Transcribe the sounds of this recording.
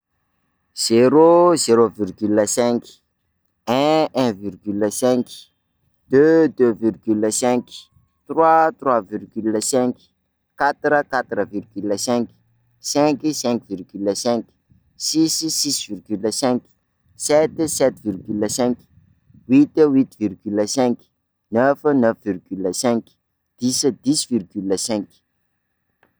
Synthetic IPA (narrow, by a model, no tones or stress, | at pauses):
z̥eɾozeɾovirɡyləsɛ̃ŋki̥ | ɛ̃ɛ̃virɡyləsɛ̃ki̥ | d̪̥ød̪øvirɡyləsɛ̃ŋk | t̪rwat̪rwavirɡyləsɛ̃ŋk | kat̪ɾəkat̪ɾəvirɡyləsɛ̃ŋki̥ | sɛ̃ŋkisɛ̃ŋkvirɡyləsɛ̃ŋkʲi̥ | sisisisvirɡyləsɛ̃ŋki̥ | sɛt̪sɛt̪virɡyləsɛ̃ŋki̥ | wit̪əwit̪virɡyləsɛ̃ŋki̥ | nœfənəfvirɡyləsɛ̃ŋki̥ | d̪̥isəd̪isvirɡyləsɛ̃ŋk